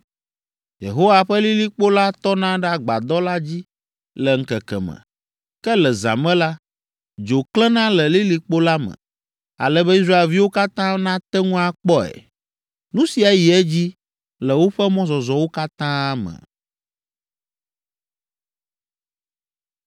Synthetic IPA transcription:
jḛ˨ɦo˦wa˨ɸɛ˦li˦li˦k͡po˦la˦t̪ɔ˦nã˦ɖɛ˦a˨ɡ͡ba̰˨d̪ɔ˦la˦d͡ʑi˦ | lɛ˨ŋ̩˨kɛ˨kɛ̰˨mɛ̰̃˨ | kɛ˦lɛ˨za̰˨mɛ̃˦la˦ | d͡ʒo˨klɛ˦nã˦lɛ˨li˦li˦k͡po˦la˦mɛ̰̃˨ | a̰˨lɛ˦bɛ˦i˦s̬ɾa˦e˨lvi˦wo˦ka˦t̪ã˦nã˦t̪ɛ˦ŋũ˦a˨k͡pɔ˦ɛ̰˨ | nũ˦si˨a˨ji˨ɛ˦d͡ʑi˦ | lɛ˨wo˦ɸɛ˦mɔ̃˦zɔ˨zɔ˨wo˦ka˦t̪ã˦a˦mɛ̰̃˨

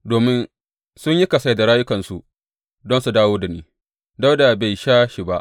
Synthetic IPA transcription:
doː˨mɪ˦n | sʊ˦ɲji˦kɐ˨sa˦jda˨ɽaː˦jʊ˦kɐ˨nsu˨ | dɔ˦nsu˨daː˦woː˦da˨niː˦ | da˦wda˨ba˨jʃaː˦ʃi˨ba˦ʔ

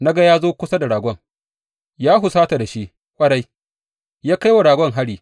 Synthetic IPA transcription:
na˦ɡa˦jaː˦zoː˦kʷʊ˦sa˦da˨ɽaː˨ɡʷɔ˦ŋ | jaː˦ɦʊ˨saː˦ta˨da˨ʃi˦ʔ | kʷʼɐ˦ɾa˦j | jaː˦ka˦jwa˨ɽaː˨ɡʷɔ˦ŋɦa˦ɽiː˨

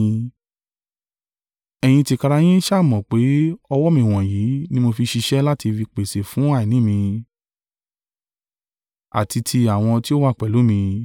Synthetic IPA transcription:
ɛ˧j̃ĩ˧ti˧ka˧ɾa˧j̃ĩ˦ʃa˦˨mɔ̃˨k͡pe˨˦ɔ˧wɔ˦mĩ˨w̃ɔ̃˨jiː˨˦nĩ˦mo˧fi˧ʃi˧ʃɛ˦la˦ti˧fi˧k͡pe˨se˨fũ˨˦a˦˨i˨nĩ˨˦mĩ˧ | a̰˨ti˧tʰi˧a˨w̃ɔ̃˧ti˦o˦wa˦˨k͡pɛ˨lu˨˦mĩ˧

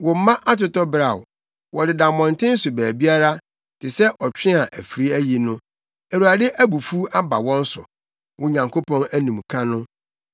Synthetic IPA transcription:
wʊ˨m̩˦mã˦ʔa˦tʰʊ˨tɔ˦bɾa˨w | wʔɔ˨dɪ˨dã˨mmːɔ̃˨ntʰɪ̃˦n̩˦sʊ˨bæː˨bi˦a˦ɾa˦ | tʰɪ˨sɛ˦ʔɔ˨t͡ɕᶣɪ̃˦a˨ʔæ˨fi˨ɾi˦æ˦ji˨nʊ̃˦ | æ˨ɾu˨a˨dɪ˦ʔæ˦bu˨fu˦a˦ba̰˨wɔ̃˦n˦sʊ̰˨ | wʊ˦ɲã˨ŋkʰo˦pʰɔ̃˦næ˦nũ˨mkʰã˦nʊ̃˦

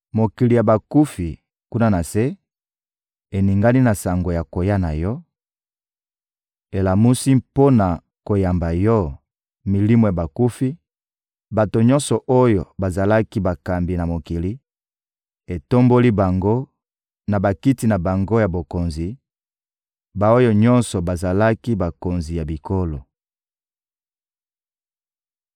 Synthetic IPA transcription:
mo˨ki˨li˨ja˨ba˨ku˦fi˨ | ku˦na˦na˨se˦ | e˨ni˨ŋɡa˦ni˦na˨sa˨ŋɡo˨ja˨ko˨ja˦na˨jɔ˦ | e˨la˨mu˦si˦mpo˦na˨ | ko˨ja˨mba˨jɔ˦ | mi˨li˦mo˨ja˨ba˨ku˦fi˦ | ba˨to˨ɲɔ̃˦nsɔ˨ʔo˦jo˨ba˨za˨la˦ki˦ba˨ka˨mbi˨na˨mo˨ki˨li˦ | e˨to˦mbo˦li˦ba˨ŋɡo˦ | na˨ba˨ki˦ti˦na˨ba˨ŋɡo˦ja˨bo˨ko˨nzi˨ | ba˨o˦jo˦ɲɔ˦nsɔ˨ba˨za˨la˦ki˦ba˨ko˨nzi˨ja˨bi˨ko˦lo˨

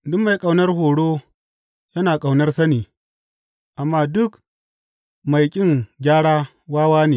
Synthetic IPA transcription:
dʊ˦kma˨jkʼa˨wnɐ˦rɦoː˨ɽoː˦ | jɐ˦naː˨kʼa˨wnɐ˦rsɐ˦niː˨ | ʔa˨mːaː˦dʊ˦k | ma˨jkʲʼɪ˦ŋɡʲaː˦ɽaː˦ | waː˦waː˦neː˨

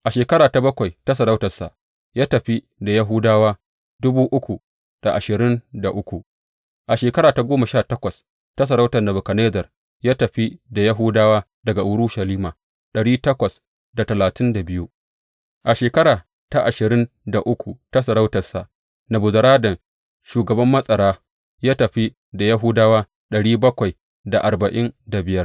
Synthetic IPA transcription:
ʔa˨ʃeː˨kɐ˦ɾaː˨ta˨˦bɐ˦kʷa˨jta˦sɐ˨ɾa˦wtɐ˨rsa̰˨ʔ | jaː˦tɐ˨ɸi˦ | da˨ja˦ɦʊ˦daː˦waː˦ | dʊ˦buː˦ʔʊ˦kʷu˨ | d̥a˨ʔa˨ʃɪ˨ɾɪ˦nda˨ʔʊ˦kʷu˨ʔ | ʔa˨ʃeː˨kɐ˦ɾaː˨ta˦ɡʷoː˦ma˨ʃaː˦˨tɐ˦kʷɐ˨s | ta˦s̬ɐ˨ɾa˦wtɐ˨rnɐ˨bu˨kɐ˨neː˦zɐ˨r | jaː˦tɐ˨ɸi˦da˨ja˦ɦuː˦daː˦waː˦ | dɐ˨ɡa˨ʔʊ˨ɾu˦ʃɐ˨liː˦maː˨ | ɗɐ˨ɽiː˦tɐ˦kʷɐ˨s | da˨tɐ˨laː˨tɪ˦nda˨bɪ˦ju˦ | ʔa˨ʃeː˨kɐ˦ɾaː˨ | ta˦ʔa˨ʃɪ˨ɾɪ˦n | da˨ʔʊ˦kʷu˨ta˦s̬ɐ˨ɾa˦wtɐ˨rsa̰˨ʔ | nɐ˨bʊ˨zɐ˨ɾaː˦dɐ˨ŋ | ʃuː˨ɡɐ˨bɐ˦mːɐ˦sʼɐ˨ɾaː˦ | jaː˦tɐ˨ɸi˦ | da˨ja˦ɦʊ˦daː˦waː˦ | ɗɐ˨ɽiː˦bɐ˦kʷa˨j | da˨ʔa˨rbɐ˨ʔɪ˦nda˨bɪ˨jɐ˦r

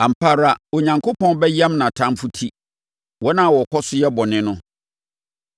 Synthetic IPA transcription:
ã˨m̩˨pʰa˦ɾa˦o˨ɲã˨ŋkʰo˦pɔ̃˦n˦bɛ˦jã˦mnã˨tʰã˦mfʊ˦tʰi˦ | wɔ˦nã˦˨wɔ˨kʰɔ˦sʊ˦jɛ˦bɔ˨nɪ̃˦nʊ̃˦

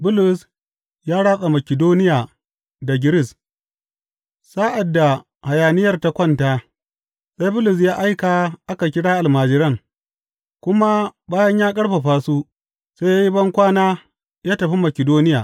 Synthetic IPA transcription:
bʊ˦lʊ˨s | jaː˦ɽaː˦ɓʼa˨mɐ˨kʲɪ˨doː˦nɪ˦jaː˨ | da˨ɡʲɪ˦ɾɪ˦˨s | sa˦ʔa˨dːa˨ | ha˨jaː˨nɪ˦jɐ˦rta˨kʷɔ˦ntaː˦ | sa˦jbʊ˦lʊ˨s̬jaː˦ʔa˦jka˨ʔa˦ka˨kʲɪ˦ɽaː˦ʔa˨lmaː˨d͡ʒɪ˦ɾɐ˦˨ŋ | kʷʊ˦ma˦baː˦jɐ˦ɲjaː˦kʼɐ˦ɽɸɐ˨ɸaː˦su˦ | sa˦ja˦ji˦bɐ˦ŋkʷaː˦naː˦ | jaː˦tɐ˨ɸi˦mɐ˨kʲɪ˨doː˦nɪ˦jaː˨

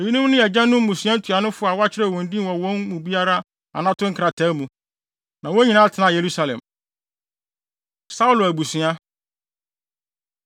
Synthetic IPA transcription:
e˨ji˦nũ˦mnʊ̃˦ɛ˨d͡ʑã˦nʊ̃˦m̩ː˦ũ˨sɥã˦n̩˦tʰu˨a˨nʊ̃˦fʊ˦a˨wa˦t͡ɕʰɪ˦ɾɛ˦˨wɔ̃˨n˦dĩ˦wɔ̃˨wɔ̃˦nmũ˨bi˦a˦ɾa˦ | a̰˨nã˦tʰʊ̃˦ŋ̩˦kʰɾa˨tʰa˨˦mũ˨ | nã˨wo˦ɲĩ˨nã˦tʰɪ˨nã˨je˨ɾu˦sa˨lɛ̰̃˨m | sa˦u˦˨lʊ˨æ˨bu˨sɥa˦

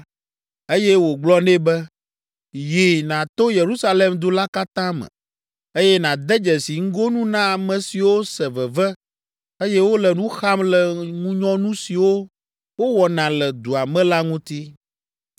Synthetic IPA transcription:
e˦jɛ˦wo˨ɡ͡blɔ˦nẽ˦bɛ˦ | ji˨nã˨t̪o˦je˨ɾu˦sa˦le˨md̪o˨la˦ka˦t̪ã˦mɛ̰̃˨ | e˦jɛ˦nã˨d̪ɛ˦d͡ʒɛ˨si˨ŋ̩˦ɡo˦nũ˦nã˦a˨mɛ̃˨si˨wo˦sɛ˨vɛ˨vɛ˦ | e˦jɛ˦wo˦lɛ˨nũ˦xa˦mlɛ˨ŋũ˦ɲɔ̃˦nũ˦si˨wo˦ | wo˦wɔ˨nã˨lɛ˨d̪u˨a˨mɛ̃˦la˦ŋũ˦t̪i˦

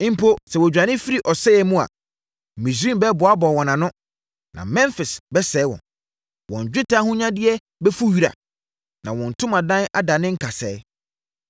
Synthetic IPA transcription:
ɪ̃˦m̩˦pʰo˦sɛ˨wɔ˨d͡ʑᶣã˨nɪ̃˦fi˦ɾi˨ʔɔ˨sɛ˦jɛ˨mũ˦a̰˨ | mĩ˨s̬ɾĩ˦m˦bɛ˦bʊ˨a˦bɔ˨wɔ̃˨nã˨nʊ̃˦ | nã̰˨mɛ̃˦nfɪ˨sbɛ˦sɛ˨˦wɔ̰̃˨n | wɔ̃˨ɲ˨d͡ʑᶣɪ˦tʰa˦hʊ̃˦ɲã˦dɪ˦ɛ˦ | bɛ˦fu˦ɥi˦ɾa̰˨ | nã˨wɔ̃˨n̩˨tʰʊ̃˦mã˨dã˦na˦da˨nɪ̃˦ŋ̩˦kʰa˨sɛ˨˦

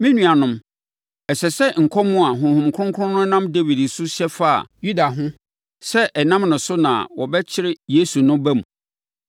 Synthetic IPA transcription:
mĩ˦nũ˨a˨nʊ̃˦m | ɛ˨sɛ˨sɛ˦ŋ̩˨kʰɔ˦mʊ̃˦a˨ɦʊ̃˨hʊ̃˨mkʰʊ˦ʊ̃˦ŋkʰʊ˦ʊ̃˦nʊ̃˦nã˦mde˦wi˨dsʊ˦ɕɛ˦fa˦a̰˨ju˦da˨ɦʊ̃˦ | sɛ˦ʔɛ˨nã˦mnʊ̃˨sʊ˦nã̰˨wɔ˨bɛ˦t͡ɕʰɪ˦ɾɪ˦je˦su˨nʊ̃˦bæ̃˦m˨

